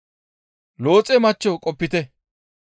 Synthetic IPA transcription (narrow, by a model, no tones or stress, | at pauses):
loːt͡sʼɛmɐt͡ʃːɔkʼɔpːɪt̪ɛ